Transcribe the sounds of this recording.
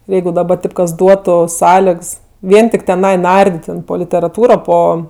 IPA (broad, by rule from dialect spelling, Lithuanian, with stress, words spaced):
ɪr ˈjɛɪɡʊ dɐˈbɐ ˈtɐɪp kɐs ˈduɔtʊ ˈsɑːlʲɛks ˈʋʲiɛn tʲɪk tʲɛˈnɐɪ ˈnɐrʲdʲɪtʲ tʲɛn poː lʲɪtʲɛrɐˈtuːroː ˈpoː